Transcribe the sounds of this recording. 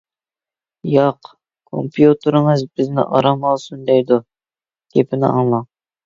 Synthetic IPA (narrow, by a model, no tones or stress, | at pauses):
jɑq | kʰo̰mpʰjut̪ʰɨɾɨŋɨzbɪznɪ̰ʔɑɾɑmɑlˠsund̪ɛjd̪u | ɡ̥ʲepʰɪnɪ̰ɑ̰ŋlˠɑŋ